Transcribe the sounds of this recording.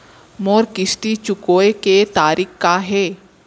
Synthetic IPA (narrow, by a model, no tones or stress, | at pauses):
moːɾkɪsʈit͡ʃʊkoːeket̪aːɾikkaɦɛː